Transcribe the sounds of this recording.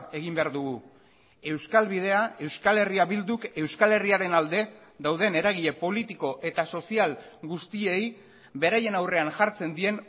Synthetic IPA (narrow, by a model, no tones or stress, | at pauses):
e̞ɣ̞imbe̞aɾðuɣu | e̞wskalβið̞e̞ae̞wskale̞riaβild̪uke̞wskale̞riaɾe̞nald̪e̞d̪awð̞e̞ne̞ɾaɣ̞iʎe̞po̞lit̪iko̞ʔe̞t̪aso̞sialɡust̪ie̞j | be̞ɾaje̞nawre̞anʝaɾt͡se̞nd̪ie̞n